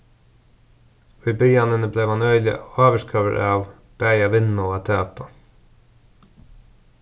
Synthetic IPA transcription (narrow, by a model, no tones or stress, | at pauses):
ʋyːbʏjɑnənəbleːʋhɑnœʏlɪ̰oːʋəʃkʰøːʋə̰ɾʔɑːʋ | b̥æɪɑʋɪnʊɑːt̪ʰøːpɑ